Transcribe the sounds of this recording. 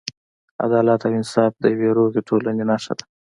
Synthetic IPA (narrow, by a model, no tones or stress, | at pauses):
a̰d̪ɑlat̪awɪnsɑːfd̪əjaweɾoɣeʈʰolanenaʂa̰d̪ḁ